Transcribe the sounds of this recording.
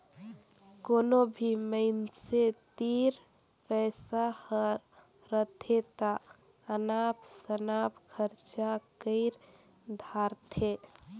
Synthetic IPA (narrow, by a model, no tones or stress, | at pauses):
konobʱiməɪnset̪iɾ | pəɪsahəɾː | ət̪ʰet̪a | ənapsənapkʰəɾt͡ʃakəɪɾ | d̪ʱaɾt̪ʰe